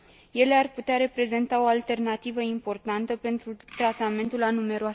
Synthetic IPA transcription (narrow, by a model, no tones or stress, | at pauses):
je̞le̞arput̪eaɾe̞pɾe̞ze̞nt̪ao̞alt̪e̞rnat̪ivəimpo̞rt̪ant̪əpe̞nt̪ɾut̪ɾat̪ame̞nt̪ulanume̞ɾoas